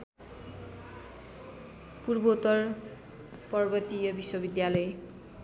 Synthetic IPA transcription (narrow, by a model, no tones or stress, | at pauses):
purbot̪ʌr | pʌrbʌt̪ijʌbiswʌbid̪jalʌj